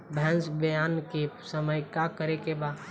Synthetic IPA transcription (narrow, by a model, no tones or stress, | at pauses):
bʱɛ̃nsbəjaːnkesəməjkakəɾekebaːd̪